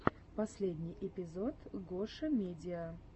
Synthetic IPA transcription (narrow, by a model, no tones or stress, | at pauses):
pɐsʲlʲedʲnʲɪjʔɪpʲɪzot̪ɡoʂəmʲedʲɪə